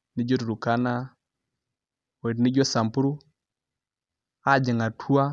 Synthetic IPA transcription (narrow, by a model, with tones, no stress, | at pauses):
ni˦d͡ʒɔ˦tu˨ɾu˨ka˦na˦ | wɛ˨dni˦d͡ʒɔ˦sa˨mpu˦ɾu˦ | a˦˨d͡ʒɛ˨ŋa˨tʰu˦a˦